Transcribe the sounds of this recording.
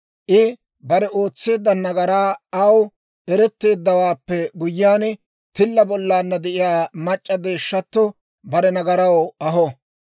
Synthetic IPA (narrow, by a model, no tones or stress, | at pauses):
ʔɪ | bɐɾɛʔo̞ːt͡sːe̞ːd̪ːɐnɐɡɐɾaːɐw | ʔɛɾɛt̪ːe̞ːd̪ːɐwaːpːɛɡʊjːaːn | t̪ɪlːɐbɔlːaːnːɐd̪ɛʔɪjaːmɐt͡ʃʼːɐd̪e̞ːʃːɐt̪ːɔ | bɐɾɛnɐɡɐɾɐwɐɦɔ